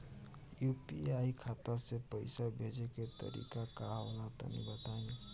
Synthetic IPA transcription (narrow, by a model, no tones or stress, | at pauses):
jupḭaikʰat̪asepəjsabʱed͡ʒeket̪ə̰ɾḭkakaalat̪ə̰nḭbət̪aĩ